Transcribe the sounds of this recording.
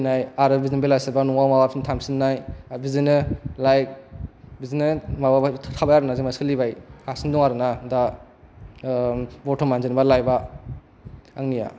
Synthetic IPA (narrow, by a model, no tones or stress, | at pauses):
najaɾɯbizinbelasabanuŋamawapʰintʰamsinnajbizinɯlajk̚bizinɯmabatʰabajaɾɯnazimaskʰɯlibajkʰasinduŋaɾɯnada | bɔtʰɔmanzinbalajba | a̰ŋnija̰